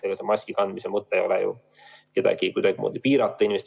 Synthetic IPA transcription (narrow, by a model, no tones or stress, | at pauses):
eɡ̥ɑsemɑsʲkikɑnd̪misemɤt̪ːˑejo̞lejṵ | ke̞d̪ɑ̰ɡ̥iekujd̪ɑɡimo̰ːd̪̥ʲipiːɾɑt̪ːˑɑinimest̪